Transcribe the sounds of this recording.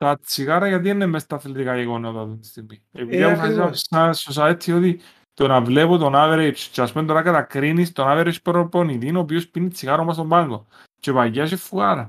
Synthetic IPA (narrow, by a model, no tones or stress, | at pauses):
t̪ɐt͡siɣaɾɐʝɐt̪̬ienːemːest̪ɐθelt̪ikaʝeɣonot̪ɐðont̪ist̪iɣmiepiðiɐmufɐsizasasos̬aet̪ʰːiot̪i | t̪onɐvlepot̪onaveɾet͡ʃt͡ʃeaspumeoɾakat̪ɐkɾinist̪onaveɾet͡ʃpɾoponiðinop̬iospinit͡siɣaɾomːɐs̬t̪ombaŋɡo̞ | t͡ʃe̞paʝːɐʃ̬efːuɣɐɾɐ